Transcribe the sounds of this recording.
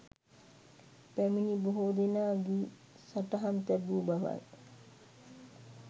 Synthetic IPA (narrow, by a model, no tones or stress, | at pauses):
pæminiboɦod̪enaːɡi | saʈəɦant̪ɛbuːbaʋa̰j